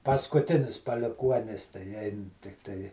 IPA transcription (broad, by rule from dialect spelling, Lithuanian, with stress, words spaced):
pɐskʊˈtʲɪnʲɪs pɐlʲɪˈkuɔnʲɪs tɐɪ ˈɛɪn tʲɪkˈtɐɪ